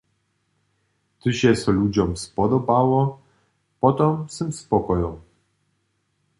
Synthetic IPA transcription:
t̪ɨɕɛsɔlʲud͡ʑɔmspɔd̪ɔbawɔ | pɔt̪ɔmsɘmspɔkɔjɔ̃w

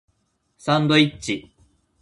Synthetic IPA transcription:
sãnd̪oit͡ɕːi

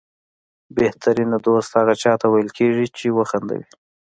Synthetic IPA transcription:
beht̪ʰaɾenad̪ost̪haɣat͡ʃɑt̪awajəlkʰeʐit͡ʃewəxand̪a̰wi

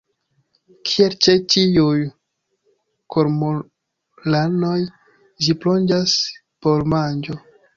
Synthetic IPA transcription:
kʰielt͡ʃetijuj | kʰoɾmo | lano̞j | d͡ʒiplo̞nd͡ʒas | po̞ɾmand͡ʒo̞

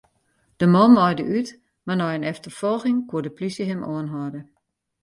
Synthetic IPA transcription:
d̥əmɔnmɔjdəʔyt | manɔjənɛftərfɔlˠxɪŋkwuədəplisjəɦɪmʔoənɦɔdə

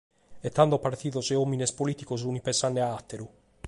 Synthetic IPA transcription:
ɛt̪ːand̪opaɾt̪iːðozeominespolit̪ikosunipensanːeaat̪ːeɾu

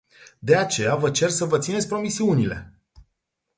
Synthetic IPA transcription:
d̪e̞at͡ʃe̞javət͡ʃe̞rsəvət̪sinet̪sʲpɾo̞misiunile̞̰

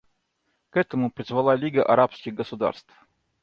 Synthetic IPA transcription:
kɛt̪əmʊpɾʲɪzvɐlˠalʲiɡəʔɐɾapskʲɪɣɡəsʊd̪a̰rst̪f

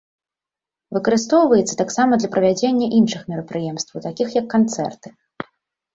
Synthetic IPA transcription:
vɨkɐɾɨst̪ɔwvɐjɛt̪sːɐ̥t̪aksamɐd̪lʲɐpɾɐvʲad͡zʲenʲːɐʔinʂɨxmʲɛɾɐpɾɨjɛmst̪vɐwt̪akʲixjɐkːant̪sɛ̰rt̪ɨ̥

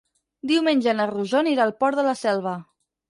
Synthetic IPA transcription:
d̪iwmenʲʒənəruʒoniɾalˠpɔɾðələsɛlˠβ̞ə

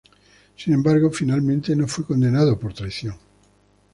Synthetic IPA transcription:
sinembaɾɣofinalmẽnt̪e̞nofwekond̪e̞naðopoɾt̪ɾajθjoŋ

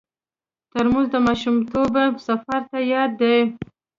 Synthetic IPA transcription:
t̪əɾmozd̪əmɑʃumt̪obasafaɾt̪ajɑd̪ːej

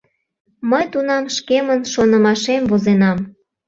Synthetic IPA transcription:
məjt̪unɑmʃkemənʃonəmɑʃemvozenɑm

